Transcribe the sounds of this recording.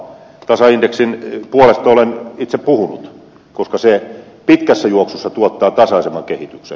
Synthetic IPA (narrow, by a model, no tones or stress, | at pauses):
t̪ɑsɑindeksinpuolest̪ɑolenit̪seppuhunṵt̪ | koskɑse | pit̪kæsːæjuoksusːɑt̪uot̪ːɑːt̪ɑsɑisemːˑɑkehit̪yksḛ